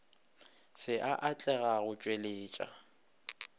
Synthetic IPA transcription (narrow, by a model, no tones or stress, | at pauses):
sɪʔaʔat͡ɬʼɛɣaɣʊt͡ʃʼweleːt͡ʃʼa̰